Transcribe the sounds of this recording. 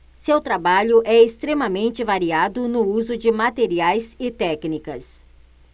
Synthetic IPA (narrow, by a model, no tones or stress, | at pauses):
sewt̪ɾabaʎʊʔɛɪst̪ɾemɐmẽnt͡ʃɪvaɾiad̪ʊnʊuzʊd͡ʒɪmat̪eɾiajzɪt̪ɛknikɐs